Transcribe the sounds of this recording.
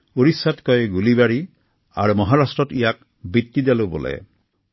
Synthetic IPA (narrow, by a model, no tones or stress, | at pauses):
uɾisːatkɔjɡulibaɾi | a̰ɾumɔɦaɾasʈɾɔt̪ijak̚ | bit̪ːid̪alobɔ̰lḛ